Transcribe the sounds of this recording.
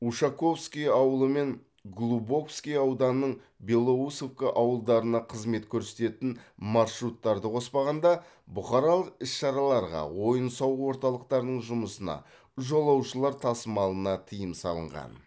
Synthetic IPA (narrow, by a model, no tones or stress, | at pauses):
uʃɑko̞fskʲijɑwəlˠəme̞ŋ | ɡlˠubo̞fskʲijɑwd̪ɑnnːəɴ | belˠːousofkʲɪʔɑwəlˠd̪ɑɾənɑqʰəzme̞t̪kʲʰɵɾset̪e̞t̪ɪnmɑɾʃɾut̪ːɑɾd̪əqʰo̞spɑʁɑnd̪ɑ | bʊχɑɾɑlˠəqɪsʃɑɾɑlˠɑɾʁɑ̰wo̞jənsɑwwo̞ɾt̪ɑlˠəq̚t̪ɑɾd̪əɴʒʊməsənɑ̰ | ʒo̞lˠɑwʃəlˠɑɾt̪ʰɑsəmɑlˠənɑt̪ʰijəmsɑ̰lˠə̰ɴʁɑ̰n